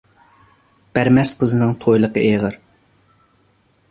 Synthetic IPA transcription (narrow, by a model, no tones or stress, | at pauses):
b̥æɾmɛsqʰəzɨnɨŋt̪ʰojlˠəqə̰ʔeʁəɾ